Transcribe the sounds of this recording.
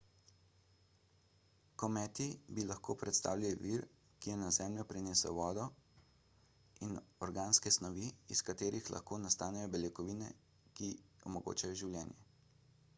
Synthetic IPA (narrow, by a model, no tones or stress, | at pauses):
kɔmɛːt̪ibilaxkoːpɾɛt̪st̪a̰ːwlʲjaliʋiɾ | kijɛnazɛːmljɔpɾɛneːsɛ̰wʋɔːd̪ɔ | inɔɾɡaːnskɛsnɔʋiiskat̪eːɾixla̰xkoːnast̪aːnɛjɔbɛljɛkɔʋiːnɛ̰ | kiɔmɔɡo̰ːt͡ʃajɔʒiwljɛːnjɛ